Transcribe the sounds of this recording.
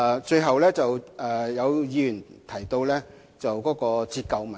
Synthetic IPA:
t͡ʃɵ˧ɥɦɐ˨wlɛː˥t͡sɐ˨wɛː˨˩jɐ˨˧wjiː˧jyː˨˩nt̪ʰɐ˨˩jt̪o˧wlɛː˥ | t͡sɐ˨wkɔː˨˥kɔː˧t͡siː˧t̚kɐ˨˧wmɐ˨

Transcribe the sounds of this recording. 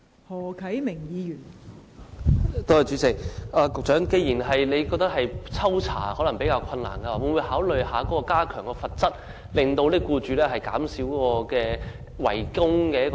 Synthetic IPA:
hɔː˨˩kʰɐ˨˥jmɪ˨˩ŋjiː˨˧jyː˨˩n | t̪o˥ɐ˨jt͡ʃyː˨˥t͡sɪ˨k̚aː˨˧kʊ˨k̚t͡ʃœː˨˥ŋke˧jiː˨˩nɦɐ˨jle˨˧jkɔː˧k̚t̪ɐ˥k̚hɐ˨jt͡sʰɐ˥wt͡sʰa̰ː˨˩hɔː˨˥lɐ˨˩ŋpe˨˥jkaː˧wkʰɐ˧nla̰ː˨˩nkɛ˧waː˨˩wuː˨˧nwuː˨˧jhaː˨˥wlɵ˨ɥɦaː˨˥kɔ˨˦˥kɔː˧kaː˥kʰœː˨˩ŋkɛː˧fɐ˨t̚t͡sɐ˥t̚ | lɪ˨ŋt̪o˧wliː˥kuː˧t͡ʃyː˨˧lɛː˥ɦɐ˨jka̰ː˨˥msiː˨˥wkɔː˧kɛː˧ | wɐ̰˨˩jkʊ˥ŋkɛː˧jɐ˥k

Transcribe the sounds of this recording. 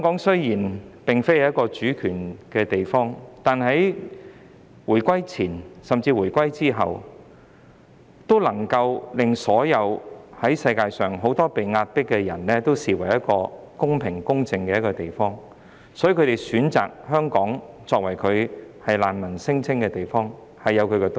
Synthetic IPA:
œ˥ŋkɔː˨˥ŋsɵ˥ɥjiː˨˩npɪ˨ŋfe˥jhjɐ˥t̚kɔː˧t͡ʃyː˨˥kʰyː˨˩nkɛː˧t̪e˨jfɔː˥ŋt̪aː˨nhɐ˨˥j | wuː˨˩jkʷɐ˥jt͡sʰiː˨˩nsɐ˨mt͡siː˧wuː˨˩jkʷɐ˥jt͡siː˥ɦɐ˨w | t̪o˥wlɐ˨˩ŋkɐ˧wlɪ˨ŋsɔː˨˥jɐ˨˧whɐ˨˥jsɐ˧jkaː˧jsœː˨ŋɦo˨˥wt̪ɔː˥pe˨jŋaː˧t̚pɪ˥kːɛ˧jɐ˨˩nlɛː˥t̪o˥wsiː˨˩wɐ˨˩jɐ˥t̚kɔː˧ | kʊ˥ŋpʰɪ˨˩ŋkʊ˥ŋt͡sɪ˧ŋkɛː˧jɐ˥kːɔː˧t̪e˨jfɔː˥ŋ | sɔ˨˥ji˧kʰɵ˧t̪e˨jsyː˨˥nt͡sa̰ː˨k̚hœː˥ŋkɔː˨˥ŋ | t͡sɔː˧k̚wɐ˨˩jkʰɵ˨˧ɥhɐ˨jlaː˨˧nmɐ˨˩nsɪ˥ŋt͡sʰɪ˥ŋkɛː˧t̪e˨˩jfɔː˥ŋ | hɐ˨jːɐ˨˧wkʰɵ˨˧kɛ˧t̪

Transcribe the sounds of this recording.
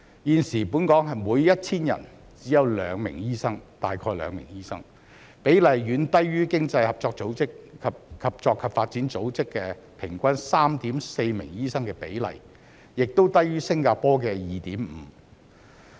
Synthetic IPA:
jiː˨˧nsiː˨˩puː˨˥nkɔː˨˥ŋɦɐ˨jmuː˨˧jjɐ˥t̚t͡sʰiː˥njɐ̰˨˩n | t͡siː˨˥jɐ˨˧wlœ̰ː˨˧ŋmɪ̰˨˩ŋjiː˥sɐ˥ŋt̪aː˨jkʰɔː˧jlœ̰ː˨˧ŋmɪ̰˨˩ŋjiː˥sɐ˥ŋ | pe˨˥jlɐ˨˩jɥyː˨˧˥nt̪ɐ˥jɥyː˥kɪ˥ŋt͡sɐ˧jhɐ˨p̚t͡sɔː˧k̚t͡so˨˥wt͡sɪ˥kkʰɐ˨p̚kʰɐ˨p̚t͡sɔː˧kʰːɐ˨p̚faː˧t̚t͡siː˨˥nt͡so˨˥wt͡sɪ˥kːɛː˧ | pʰɪ˨˩ŋkʷɐ˥nsaː˥mt̪iː˨˥mse˧jmɪ̰˨˩ŋjiː˥sɐ˥ŋkɛː˧pe˨˥jlɐ̰˨˩j | jɪ˨k̚t̪o˥wt̪ɐ˥jɥyː˥sɪ˥ŋkaː˧pɔː˥k̬ɛː˧jiː˨t̪iː˨˥mm̩˨˧

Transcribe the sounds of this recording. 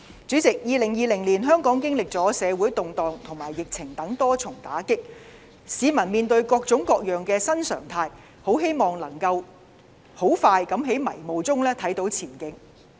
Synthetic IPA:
t͡syː˨˥t͡sɪ˨k̚jiː˧lɪ˨˩ŋjiː˧lɪ˨˩ŋliː˨˩nɦœː˥ŋkɔː˨˥ŋkɪ˥ŋlɪ˨k̚t͡sɔː˨˥sɛː˨˧wuː˨˥jt̪ʊ˨ŋt̪ɔː˨ŋt̪ʰʊ˨˩ŋmaː˨˩jːɪ˨k̚t͡sʰɪ˨˩ŋt̪ɐ˨˥ŋt̪ɔː˥t͡sʰʊ˨˩ŋt̪aː˨˥kɪ˥k̚ | siː˨˧mɐ˨˩nmiː˨nt̪ɵ˧ɥkɔː˧k̚t͡sʊ˨˥ŋkɔː˧k̚jœː˨˩ŋkɛː˧sɐ˥nsœ̰ː˨˩ŋt̪ʰaː˧j | ho˨˥wɦe˥jmɔː˨ŋlɐ˨˩ŋkɐ˧w | ho˨˥wfaː˧jkɐ˨˥mɦe˨˥jmɐ̰˨˩jmo˨wt͡sʊ˥ŋlɛː˥t̪ʰɐ˨˥jt̪o˨˥wt͡sʰiː˨˩nkɪ˧˥ŋ

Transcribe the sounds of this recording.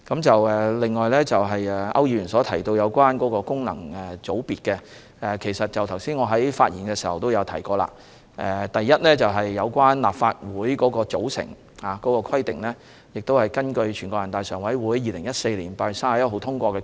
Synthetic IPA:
kɐ˨˥mt͡sɐ˨wɛː˨lɪ˨ŋːɔː˨jlɛː˥t͡sɐ˨wɦɐ˨jɛ˨ɐ̰˥wjiː˨˧˥ɥy˨˩nsɔː˨˥t̪ʰɐ˨˩jt̪o˧wjɐ˨˧wkʷaː˥nkɔː˨˥kɔː˧kʊ˥ŋnɐ̰˨˩ŋɛ˨t͡so˨˥wpiː˨t̚kɛ˧ | ɛ˨kʰe˨˩jsɐ˨t̚t͡sɐ˨wt̪ʰɐ˨˩wsiː˥nŋɔː˨˧ɦɐ˨˥jfaː˧t̚jḭː˨˩nkɛː˧siː˨˩hɐ˨wt̪o˥wjɐ˨˧wt̪ʰɐ˨˩jkɔː˧la̰ː˧ | ʔɛ˨˧t̪ɐ˨jːɐ˥t̚lɛː˥t͡sɐ˨wɦɐ˨jːɐ˨˧wkwaː˥nla̰ː˨p̚faː˧t̚wuː˨˥jkɔː˨˥kɔː˧t͡so˨˥wsɪ̰˨˩ŋ | haː˨˩kɔː˨˥kɔː˧kʰɐ˥jt̪ɪ˨ŋlɛː˥ | jɪ˨k̚t̪o˥whɐ˨jkɐ˥nkɵ˧ɥt͡ʃʰyː˨˩nkɔ˧˥jɐ˨nt̪aː˨˧jsœː˨˩ŋwɐ˨˥jwuː˨˥jːiː˨˧lɪ˨˩ŋjɐ˥t̚se˧jliː˨˩npaː˧jsaː˥˨jɐ˥t̚ɦo˨˥wt̪ʰʊ˥ŋkʷɔː˧kɛ˧

